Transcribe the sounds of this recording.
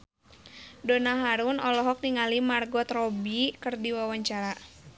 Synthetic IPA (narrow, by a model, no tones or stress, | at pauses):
dɔnaɦaɾunɔlɔɦɔk̚niŋalimarɡɔt̪rɔbikɨrdiwawaɲt͡ʃaɾa